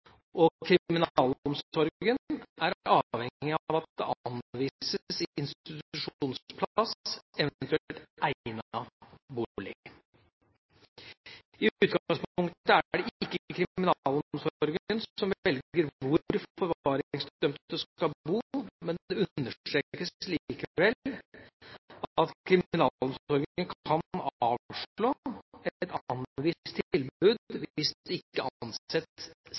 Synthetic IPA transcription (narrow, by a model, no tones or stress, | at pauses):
ʔɔkʰɾɪmɪnɑːlɔmsɔɾɡənæɾɑːʋhɛŋɪɑʋɑt̪̚d̪ɛ̰ʔɑnʋiːsəəsɪɪnst̪ɪt̪ʉʂuːnspʰlsɛʋnt̪ʉɛlt̪ʔæn | buɭɪ̰ | ɪʉːt̪̚ɡɑŋspʊŋkt̪t̪əæɖɛʔɪkːəəkʰɾɪmɪnɑːlɔmsɔɔɾɡəənɔmʋɛlɡəɾʋʋʊɾfɔɾʋɑːɾŋsd̪œmt̪əsɑbuːmɛnd̪ɛʉnːət̪ɾeːkəsliːkəʋɛl | ɑt̪kʰɾɪmɪnɑːɔmɔɾɡənkʰɑnɑːʋʂɭoːɛt̪ɑnʋɪt̪t̪ʰɪlbʉːd̪ʋɪsdɛɪkːəʔɑnsɛt̪